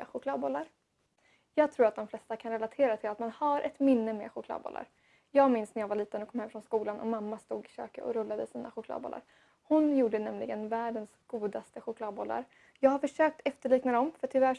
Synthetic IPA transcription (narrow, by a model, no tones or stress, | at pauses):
ɧʊkʰlɑːd̪bɔlːaɾ | jɑːɡ̚t̪ʰɾuːɾat̪̚d̪ɔmflɛst̪akʰanɾɛlat̪ʰeːɾat̪ʰɪlat̪manhaɾʔɛt̪mɪnːəmḛɧʊklɑ̰d̪bɔ̰lːa̰ɾ | jɑːɡmɪnsnæɾjaːɡvaɭiːt̪ənɔkʰɔmhɛmːfɾɔnskuːlanʔɔ̰mamːast̪uːɡɪɕø̰ːkəɔ̰ɾɵlːad̪əsiːna̰ɧʊkʰlɑ̰d̪bɔ̰lʔa̰ɾ | hʊnjuːɖənɛmlɪɡənvæːɖənsɡ̥uːd̪ast̪əɧʊkʰlɑːd̪̚bɔlːa̰ɾ | jɑːɡhaɾfœʂøːk̚t̪ʰɛft̪əɭiːknad̪ɔmfœʈʰɪvæ